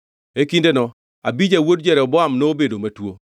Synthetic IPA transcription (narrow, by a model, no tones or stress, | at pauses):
ekindenɔ | abid͡ʒawodd͡ʒɛɾɛɔbɔamnoːbedomatwo